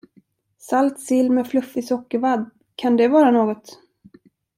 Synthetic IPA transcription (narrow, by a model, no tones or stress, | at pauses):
salt̪sɪlːmɛflɵfːɪsɔkːəɾvad̪ | kʰand̪ɛvɑːɾanoːɡɔt̪